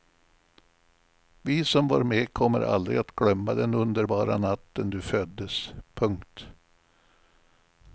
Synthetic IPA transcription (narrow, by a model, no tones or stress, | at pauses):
vɪsɔmva̰ːɾmekʰɔmːə̰ɾʔa̰ld̪ɾɪ̰at̪ɡ̥lœmːad̪ɛnɵnd̪əɾbɑːɾa̰nat̪ːənd̪ɵfœd̪ːəspʰɵŋkt̪